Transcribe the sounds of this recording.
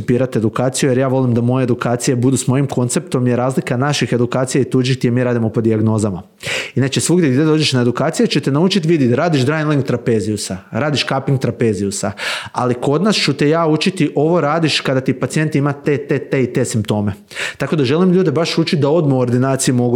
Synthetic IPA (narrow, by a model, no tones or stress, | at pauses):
piːɾat̪e̞d̪ukaːt̪sijuje̞ɾjaːʋo̞limd̪amo̞jeed̪ukaːt̪sije̞bud̪usmo̞jimko̞nt̪se̞p̚t̪o̞mjeɾaːzlikanaʃixe̞d̪ukaːt̪sijait̪uːd͡ʒikt̪ijemiːɾaːd̪imopo̞d̪iaɡno̞zama | inat͡ʃesʋuɡd̪ʲjeɡd̪ʲjed̪o̞ːd͡ʒeʃnae̞d̪ukaːt̪sijet͡ɕet̪enaut͡ʃit̪ʋid̪iɾaːd̪iʃd̪ɾajnlˠiŋɡt̪ɾape̞ːziusaɾaːd̪iʃkapiŋɡ̚t̪ɾape̞ːziusaa̰liko̞d̪nast͡ʃut̪ejaːut͡ʃit̪iʔo̞ʋo̞ɾaːd̪iʃkad̪at̪ipat̪sije̞nt̪imat̪et̪et̪eit̪e̞simp̚t̪o̞ːme̞ | t̪ako̞d̪aʒe̞limʎuːd̪ebaʃut͡ʃit̪̚d̪ao̞d̪muoɾd̪inaːt̪sijumo̞ɡu